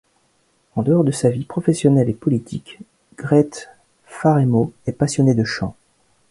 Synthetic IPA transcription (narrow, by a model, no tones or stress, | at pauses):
ɑ̃d̪əɔʁd̪əsavipχɔfɛsjɔnɛlepɔlit̪ʰik | ɡ̥ʁɛt̪ | faʁemoɛpasjɔned̪əʃɑ̰̃